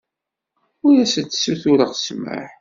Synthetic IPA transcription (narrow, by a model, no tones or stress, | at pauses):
ʊjæsət͡s̪ːsuθuɾəʁsmə̰ħ